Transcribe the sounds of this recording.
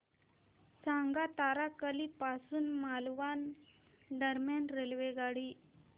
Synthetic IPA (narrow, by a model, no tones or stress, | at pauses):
t͡sãŋɡat̪aɾakəliːpasuːnmalʋan | ɖəɾmjanɾelʋeɡaɽiː